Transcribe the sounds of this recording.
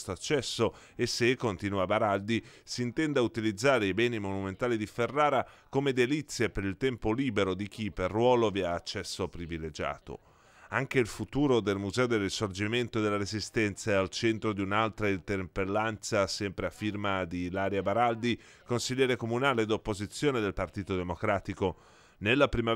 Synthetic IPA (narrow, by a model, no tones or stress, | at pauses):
st̪oat͡ʃːɛsːo | esːekːont̪inuabaɾald̪isiːnt̪ɛnd̪aut̪ilid̪zːaːɾeibɛːnimonument̪aːlid̪iferːaːɾakomed̪elit̪sːjepeɾilt̪ɛmpoliːbeɾod̪ik̟ipːerːwɔːloviaːt͡ʃːɛsːopɾiviled͡ʒa̰ːt̪o̰ | aŋk̟eilfut̪uːɾod̪elmuzɛːod̪erːisord͡ʒiment̪od̪elːaɾezist̪ɛnt̪saalt͡ʃɛnt̪ɾod̪iunalt̪ɾaint̪erpelːant̪sasɛmpɾeafːirmad̪ilaːɾjabaɾald̪i | konsiʎːɛːɾekomunaːleːd̪opːozit̪sːjoːned̪elpart̪iːt̪od̪emokɾaːt̪iko | nelːapɾima